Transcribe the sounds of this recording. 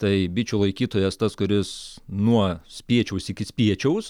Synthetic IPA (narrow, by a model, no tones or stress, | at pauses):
t̪ɐɪbʲɪt͡ʃʲuːlˠɐɪkʲiːt̪oːjɛst̪ɐskʊɾʲɪsnuɔsʲpʲiɛt͡ʃʲɛʊsɪkʲɪsʲpʲiɛt͡ʃʲɛʊs